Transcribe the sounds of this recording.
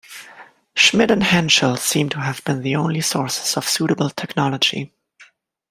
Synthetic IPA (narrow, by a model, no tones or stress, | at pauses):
ʃmɪɾɨ̃nhæ̃nʃəlˠsĩmtʰəɨvbɨ̃nðiõʊ̃nlisɔɹsɪ̥z̥ʌv̥suɾəbl̩ˠtʰɛknɑlˠəd͡ʒḭ